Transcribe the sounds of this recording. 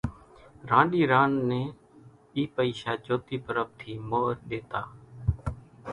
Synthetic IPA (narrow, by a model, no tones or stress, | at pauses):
ɾãːɗiːɾaːnːeː | iːpəiːʃaːd͡ʒoːt̪iːpəɾəb̚t̪ʰiːmoːɾɗeːt̪aː